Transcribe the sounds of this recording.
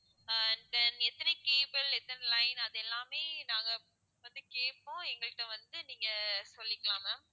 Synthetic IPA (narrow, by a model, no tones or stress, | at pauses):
d̪ɐnɛt̪ːɐnɐkeːbɐlɛt̪ːɐnɐlɐɪnɐðɛlːaːmeːnãːŋɡɐ | ʋɐnd̪ɯkeːʈpõːɛŋɡɐɭɯʈːɐ̃ʋɐnd̪ɯniːŋɡɐsɔlːɪkːɐɭaːmɐ